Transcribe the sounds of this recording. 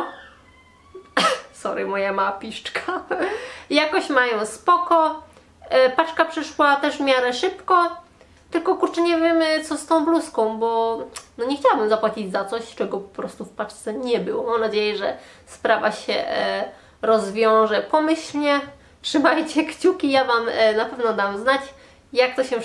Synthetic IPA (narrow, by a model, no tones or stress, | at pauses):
sɔɾɨmɔjamapʲiʂt͡ʂkʰa | jakɔɕt͡ɕmajɔ̃w̃spɔkɔ | pat͡ʂkapʂɘʂwat̪ɛʐvmʲjaɾɛʂɘpkɔ | t̪ɘlkɔkuɾt͡ʂɛɲɛvʲjɛmɘt̪sɔst̪ɔ̃w̃bluskɔ̃w̃bɔnɔɲɛxt͡ɕawabɘmzapwat͡ɕid͡ʑzat̪sɔɕt͡ʂɛɡɔpɔpɾɔst̪ufpat͡ʂt̪sɛɲɛbɘwɔmamnad͡ʑejɛʐɛ̰ | spɾavaɕɛ̰ | ɾɔzvʲjɔ̃w̃ʐɛpɔmɘɕlɲɛ | tʂɘmajt͡ɕɛkt͡ɕukʲijavamnapɛvnɔd̪amznat͡ɕ | jak̚t̪ɔɕɛ